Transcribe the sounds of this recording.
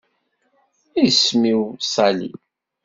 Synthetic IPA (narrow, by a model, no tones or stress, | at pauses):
ismiwsˤɑlḭ